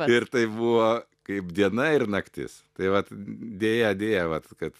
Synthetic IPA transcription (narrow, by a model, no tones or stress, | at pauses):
ɪrt̪ɐɪbuʋoː | kɐɪpd̪ʲiɛnɐɪrnɐkt̪ʲɪ̰st̪ɐɪʋɐt̪d̪ʲeːjɛd̪ʲeːjɛʋɐt̪kɐt̪